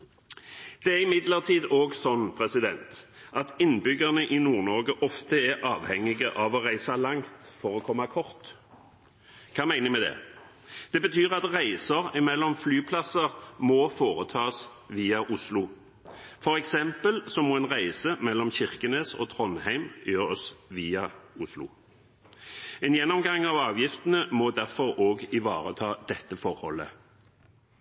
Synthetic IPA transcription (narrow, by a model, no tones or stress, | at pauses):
d̪̥ɛæʁɪmɪd̪ləʁt̪ʰiːd̪oːɡsɔnːpʰʁɛsɪd̪ɛnt̪ʔɑt̪ɪnbʏɡəʁnəʔɪnuːʁnɔʁɡəʔɔft̪əæʔɑːʋhɛŋːɪɡəʔɑʋɔʁæɪsɑlɑŋt̪fɔʁɔkʰɔmːɑkʰɔʁt̪ | kʰɑːmæɪnəmɛd̪ɛ̰ː | d̪̥ɛbət̪ʰyːʁɑt̪ʁæɪsəʁɪmɛlːɔmflyːpʰlɑsəʁmofoːʁət̪ʰɑːs | ʋiːɑʔʊslʊ | fɔʁɛksɛmpəlsɔmːɔːɛːnʁæɪsəmɛlːɔmçɪʁkəneːso̰ːt̪ʰʁɔnhæɪmjøːʁɔsʋiːɑʊslʊ̰ | ɛːnjɛnːɔmɡɑŋɑːʋɑːʋjɪft̪ənəmɔd̪æʁfɔʁoːɡɪʋɑ̰ːʁə̰t̪ʰɑːd̪̥ɛt̪ːəfɔʁhɔ̰lːə̰